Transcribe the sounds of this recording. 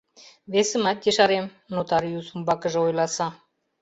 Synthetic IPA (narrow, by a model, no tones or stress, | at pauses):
βesə̆mɑt̪ʲːeʃɑɾem | not̪ɑɾiusumbɑkəʒɤ̆ojlˠɑsɑ